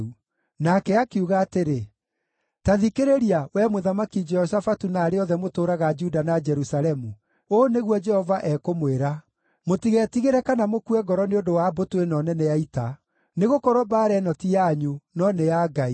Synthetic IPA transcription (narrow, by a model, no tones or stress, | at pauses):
u | nakɛakeuɣaːteɾe | taðikeɾeɾiawɛmoðamakid͡ʒɛɔs̬afatunaːɾeɔðɛmotoːɾaɣad͡ʒudanad͡ʒɛɾusaɾɛmu | oːneɣwɔd͡ʒɛhɔvaʔɛkomweɾa | motiɣɛtiɣeɾɛkanamokuwɛɡɔɾɔneondowabotwenɔnɛnɛjaita | neɣokɔɾwɔbaːɾɛnɔtiaɲunɔnejaɡai